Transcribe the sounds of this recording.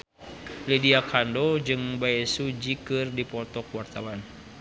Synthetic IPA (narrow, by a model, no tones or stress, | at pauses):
lidiakʰandod͡ʒɨŋbaɛsud͡ʒikɨrdipɔt̪ɔkwart̪awan